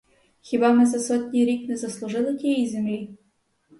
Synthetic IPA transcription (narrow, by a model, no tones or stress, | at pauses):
xʲibɑmɛzɐsɔtʲnʲiɾʲiknɛzɐslˠʊʐɪlˠɪtʲijijzʲemlʲi